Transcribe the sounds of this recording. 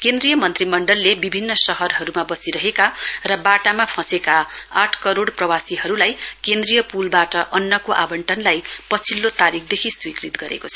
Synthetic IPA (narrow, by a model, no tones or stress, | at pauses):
kend̪rijʌmʌnt̪rimʌɳɖʌlːebibʱinːʌsʌɦʌrɦʌɾumabʌsiɾʌɦekarʌbaʈamapʰʌ̃sekaaʈʰkʌɾoɽprʌwasiɦʌɾulajkend̪rijʌpulbaʈʌʔʌnːʌkoʔa̰bʌɳʈʰʌnlajpʌt͡sʰilːot̪aɾik̚ʰd̪ekʰiswikrit̪ɡʌɾḛkot͡sʰʌ̥